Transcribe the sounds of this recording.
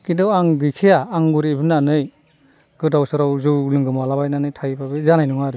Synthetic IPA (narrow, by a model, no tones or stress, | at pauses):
kindɔwaŋɡɯjkʰijaːŋɡuɾebɯnanɯj | ɡ̥ɯdawsɯɾawzɯwlɯŋɡɯmalabajnanɯjtʰajbabɯzanajnuŋaɾɯ